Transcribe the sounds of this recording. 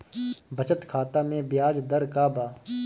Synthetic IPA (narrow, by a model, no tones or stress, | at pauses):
bʱət͡ʃət̪kʰaːt̪amẽbjaːd͡ʒd̪əɾkaːbaː